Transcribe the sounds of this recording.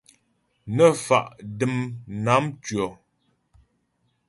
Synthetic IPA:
nə˨fa̰˨ʔdɨ˦˨mna˨˦mtɥɔ˨

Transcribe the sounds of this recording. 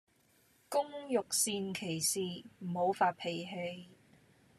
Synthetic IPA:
kʊ˥ŋjʊ˨k̚siː˧nkʰe˨˩jsiː˨˩m̩˨˩ho˨˧wfaː˧t̚pʰe˨jɦe˧j

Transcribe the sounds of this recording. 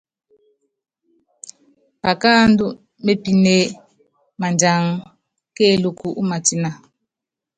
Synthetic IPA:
pa˨ka˦ndu˦ | me˦pi˨ne˦ | ma˨nd͡ʒa˨˦ŋ˦ | ke˦˨lu˨ku˨ʔu˦ma˨ti˦na˨

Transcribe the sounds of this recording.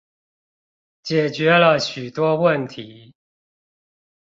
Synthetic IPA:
t͡ɕjɛ˨˩t͡ɕɥɛ˨˦lə˧˨ɕy˨˩t̪wɔ˦wə˥˨nt̪ʰi˨˦

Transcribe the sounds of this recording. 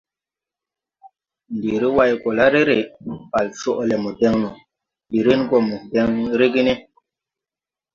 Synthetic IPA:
ndi˨ɾi˦wa˦jko˨la˦ɾe˦ɾe˨pa˨lso˦ʔle˨mu˨te˦ŋnu˨ | ɓi˨ɾi˦nko˦mu˨te˦ŋɾe˦ɡi˦ne˦

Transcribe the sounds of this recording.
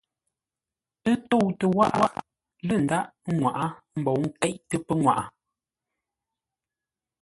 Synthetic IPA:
ə˦to˦˨wtə˨wa̰˦ʔwa˦ʔ | lə˦˨n̩˨da˦ʔŋwa˨ʔa˦m̩˨bo˨wŋ̩˦kɛ˦ʔtə˦pə˦ŋwa̰˨ʔa˨

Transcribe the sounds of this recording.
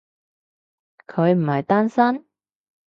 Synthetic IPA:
kʰɵ˨˧ɥm̩˨˩hɐ˨jt̪aː˥nsɐ˥n

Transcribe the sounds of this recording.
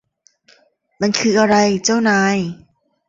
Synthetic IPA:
ma˧nkʰɯː˧ʔa˧ɾa˧jt͡ɕa˥˩wnaː˧j

